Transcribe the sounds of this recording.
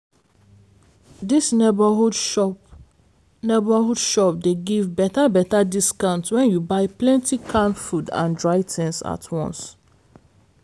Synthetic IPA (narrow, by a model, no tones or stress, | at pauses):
disnebahudʃɔ | nebahudʃɔp̚deɡivbɛtabɛtadiskãʊ̃ntwɛ̃njubaɪplɛ̃ntikʰãnfudã̰ndɹaɪtʰɛ̃nsa̰tʰwɔ̰̃ns